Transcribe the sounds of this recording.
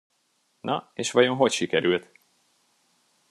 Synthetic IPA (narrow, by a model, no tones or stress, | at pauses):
nʔɒeːʃʋɒɟo̞nɦo̞cʃikɛɾylt̪